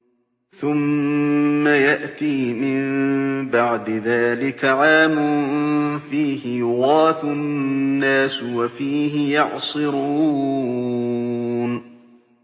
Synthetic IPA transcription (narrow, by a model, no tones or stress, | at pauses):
θʊmː | ajaʔt̪iːmɪmbaʕd̪ɪðaːlɪkaʕaːmʊnfiːhɪjʊɣɑːθʊnːaːswafiːhɪjɑʕsˤɨɾuː | n